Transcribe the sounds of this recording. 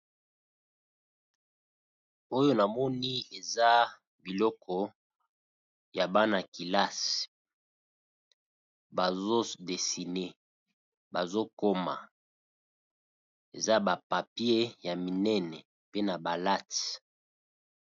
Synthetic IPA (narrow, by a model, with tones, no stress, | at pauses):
o˦jo˦na˨mɔ˦ni˦e˨za˦ | bi˨lɔ˦kʰɔ˦ | ja˨ba˦na˨ki˨la˦s | ba˨zo˦de˨si˨ne˦ | ba˨zo˦ko˦ma̰˨ | ḛ˨za˦ba˨pa˨pi˦e˦ja˨mi˨nɛ˦nɛ˨ | pe˦na˨ba˨la˦t